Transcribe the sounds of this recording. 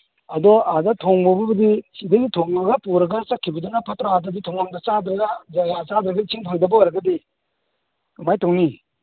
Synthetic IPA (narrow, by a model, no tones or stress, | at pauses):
ɐdɔadatʰɔŋmɔbɐbɐdisidaɡitʰɔŋmaɡapuɾɐɡasakʰːibɐdɔnapʰatɾaadaditʰɔŋaŋdat͡ʃad̪ɾaɡad͡ʒaɡat͡ʃad̪ɾaɡait͡ʃʰiŋpʰaŋdabɐaɾaɡadi | majtɔŋni